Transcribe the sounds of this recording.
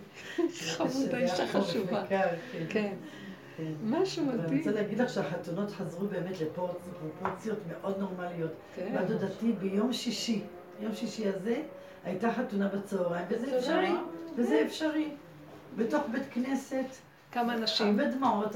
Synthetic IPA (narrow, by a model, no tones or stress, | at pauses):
aeaiaamekalkenke | kenmaʃumt͡saleaɡid̪laχʃeaħatuno̞tħazʁube̞ːme̞tlepoʁt͡spʁopoʁt͡sjo̞tmeʔo̞d̪no̞ʁmalijo̞t | bad̪odatibejo̞mʃiʃi | jo̞mʃiʃihaze̞ | hajtaħatunabet͡soːʁaimvezeefʃaʁivezeefʃaʁi | beto̞χbetkne̞se̞t | kamanaʃmbedmaʕot